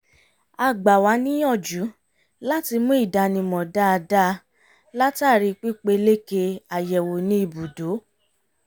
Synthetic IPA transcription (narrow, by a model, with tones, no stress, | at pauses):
a˧˨ɡ͡ba˨wa˨˧˦nĩ˦jɔ̃˦˨d͡ʒu˨˦ | la˦ti˧mũ˦i˦˨da˧˨nĩ˧mɔ̃˨da˦˧da˦ | la˦ta˦˨ɾi˧k͡pi˦k͡pe˧le˦ke˧a˨jɛ˨wo˨nĩ˦i˧˨bu˨do˨˦